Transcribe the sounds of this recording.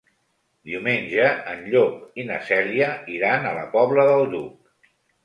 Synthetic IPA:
d̪iumenʲʒəənʎokinəsɛliəiɾanələ̰pɔβləðəlˠd̪uk

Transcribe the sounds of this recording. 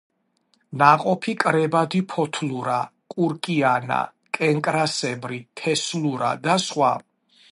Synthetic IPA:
naqʼɔpʰikʼɾɛbad̪ipʰɔt̪ʰluɾakʼuɾkʼiana̰ | kʼɛŋkʼɾasɛbɾit̪ʰɛsluɾa̰d̪asχwa

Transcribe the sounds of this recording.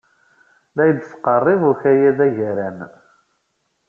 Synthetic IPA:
ðæjəd̪sqərˤːevʊɾçæjæðæʝæɾæn

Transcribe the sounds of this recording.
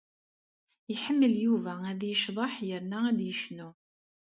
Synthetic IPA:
jəħəmːəljuvææðjəʃðˤɑħjəɾnææd̪jəʃnu

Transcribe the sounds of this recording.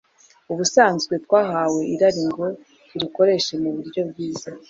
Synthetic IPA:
uβusaːnzɡwe̞twaːɦawe̞iɾaɾiŋɡo̞ | ɾiɾiko̞ɾe̞ʃe̞muβuɾɟo̞bɡiːza

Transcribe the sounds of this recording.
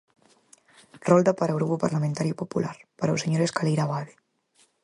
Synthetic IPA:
rɔlˠd̪apaɾaɣɾupupaɾlamẽnt̪aɾjupopula̰ɾpaɾawseɲoɾeskalejɾaβaðe

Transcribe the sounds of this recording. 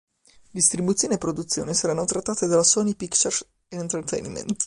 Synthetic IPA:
d̪ist̪ɾibut̪sːjoːniepːɾod̪ut̪sːjo̰ːnesaɾanːot̪ɾat̪ːaːt̪ed̪alasɔnipikt͡ʃɛr | ent̪ɛrt̪ɛ̰jnmḛnt̪

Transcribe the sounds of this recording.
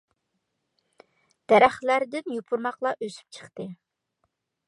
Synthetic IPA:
d̪̥æɾæχlæɾd̪ɪnjupʰuɾmɑqlˠɑʔøsy̥p̚t͡ʃʰə̥χt̪ɨ

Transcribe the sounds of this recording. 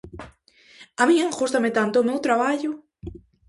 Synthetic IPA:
amĩexust̪amet̪ant̪oːmewt̪ɾaβaʎʊ

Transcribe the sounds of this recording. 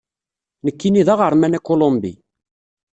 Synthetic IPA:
nəkːiniðɑʁəɾˤmænækolombḭ

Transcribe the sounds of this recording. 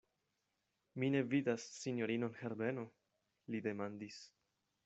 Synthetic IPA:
mine̞vidasːinjo̞ɾino̞nhe̞ɾbe̞no̞ | lide̞mandis

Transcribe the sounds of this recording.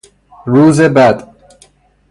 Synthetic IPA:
ɾuːzebæd̪

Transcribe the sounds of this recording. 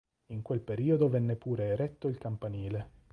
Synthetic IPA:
iŋkwelpeɾiːod̪ovɛnːepuːɾeːɾɛt̪ːoilkampaniːle

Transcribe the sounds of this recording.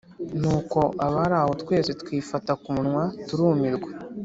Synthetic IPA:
nuːko̞ʔaβaɾaːho̞tkwe̞ːzetkwiːfatakunŋwatuɾuːmiɾɡwe

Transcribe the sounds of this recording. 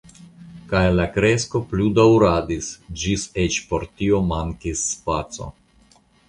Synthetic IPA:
kajlakɾe̞sko̞pludawɾadisd͡ʒiset͡ʃpo̞ɾtio̞maŋkisːpat͡so̞̰

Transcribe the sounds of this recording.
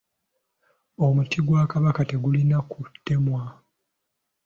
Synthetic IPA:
o̞mutiɡwaːkaβakate̞ɡulinakutːe̞mwa

